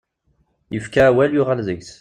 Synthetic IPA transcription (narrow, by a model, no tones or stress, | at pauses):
jəfkaːwæljʊʁælðəɡs